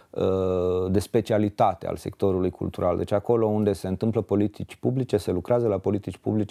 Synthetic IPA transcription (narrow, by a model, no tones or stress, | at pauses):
əd̪e̞spe̞t͡ʃialit̪at̪e̞a̰lse̞̰k̚t̪o̞ɾulujkṵlt̪uɾʔald̪e̞t͡ʃʲako̞lo̞und̪e̞se̞ɨnt̪ɨmpləpo̞lit̪it͡ʃʲpublit͡ʃe̞se̞lukɾeazəlapo̞lit̪it͡ʃʲpṵblit͡ʃe